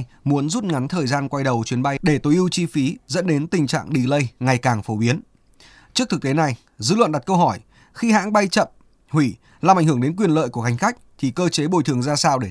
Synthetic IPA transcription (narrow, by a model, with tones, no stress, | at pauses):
mu˨˦ənzu˦˥t̚ŋa˨˦nt̪ʰəː˨˩jzaː˧nkwa˧jɗə˨˩wt͡ɕwi˨˦ənɓa˧jɗe˧˩t̪o˨˦jʔi˧wt͡ɕi˧fi˨˦zə̰˧˥nɗe˨˦nt̪ï˨˩ŋ̟t͡ɕa̰ː˧˨ŋɗi˨˩lə˧jŋa˨˩jkaː˨˩ŋfo˨˦ɓi˨˦ən | t͡ɕɨ˦˥ək̚t̪ɨ˨˩k̚te˨˦na˨˩j | zɨ̰˧˥lwə̰˧˨nɗa˨˩t̚kə˧wɦɔ˧˩j | xi˧ha̰ː˧˥ŋɓa˧jt͡ɕə̰˧˨m | hwi˧˩ | laː˨˩ʔa˧˩ŋ̟hɨ˧˩əŋɗe˨˦nkwi˨˩ənlə̰ː˧˨jku˧˩əha˨˩jŋ̟xa˦˥jk̟̚t̪ʰi˨˩kəː˧t͡ɕe˨˦ɓo˧˩jt̪ʰɨ˨˩əŋzaː˧saː˧wɗe˧˩